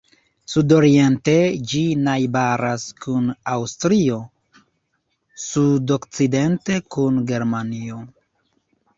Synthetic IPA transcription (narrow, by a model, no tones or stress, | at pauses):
sudo̞ɾie̞nte̞d͡ʒinajbaɾaskunawstɾio̞ | sudokt͡side̞nte̞kunɡe̞ɾmanio̞